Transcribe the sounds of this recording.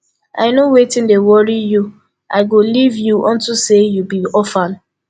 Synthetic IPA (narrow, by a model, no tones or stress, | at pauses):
a̰ɪnowetĩndewɔɹiju | aɪɡolivjuʔɔ̃ntusejubiɔfãn